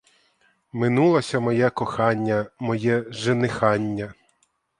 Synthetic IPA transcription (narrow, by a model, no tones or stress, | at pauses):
mɪnulˠɐsʲɐmɔjɛkɔxɑnʲːɐmɔjɛʒenɪxɑnʲːɐ